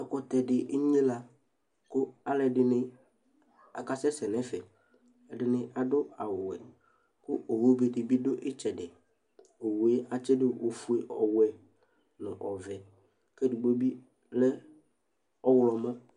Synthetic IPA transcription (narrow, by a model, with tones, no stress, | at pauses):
ɛ˨kɔ˦t̪ɛ˨dɪ˨ʔɪ˦ɲĩ˦la˨ | kʊ˦a˨lɛ˨dɪ˨nɪ˦ | a̰˨ka˦sɛ˦sɛ˨nɛ˦fɛ˨ | ɛ˨dɪ˨nɪ˨ʔa˨dʊ˦a˨wʊ˨ɛ̰˨ | kʊ˦ʔo˨wo˦be˨dɪ˨bɪ˦dʊ˦ʔɪ˦t͡ʃɛ˨dɪ˨ | o˨wu˨e˦a˨t͡ʃɪ˦dɪ˦wo˨fu˦e˨ʔɔ˨wɛ˨ | nʊ̰̃˨ʔɔ˨vɛ˨ | kɛ˦dɪ˨ɡ͡bo˦bi˦ | lɛ˦ | ɔ˦wʊ˨˦lɔ˨mɔ̃˦